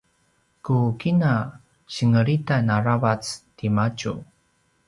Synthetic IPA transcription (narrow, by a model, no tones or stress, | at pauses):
kukina | ɕəŋəɾitanaɾavat͡stimat͡ʃu